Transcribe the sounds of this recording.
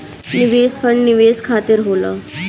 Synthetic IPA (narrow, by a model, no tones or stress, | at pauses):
niʋespəɳniʋeskʰat̪iɾɦoləː